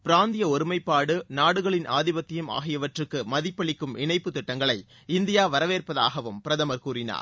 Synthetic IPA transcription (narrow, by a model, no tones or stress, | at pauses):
pɪɾaːnd̪ɪjɐɔɾɯmɐɪpːaːɽɯnaːɽɯɣɐɭɪnʔa̰ːðɪbɐt̪ːɪjɯma̰ːɣɪjɐʋɐʈrɯkːɯmɐðɪpːɐɭɪkːɯmɪɳɐɪpːɯt̪ːɪʈːɐŋɡɐɭɐɪ | ɪnd̪ɪjaːʋɐɾɐʋeːrpɐðaːɣɐʋɯmpɪɾɐðɐmɐɾkuːɾɪna̰ːɾ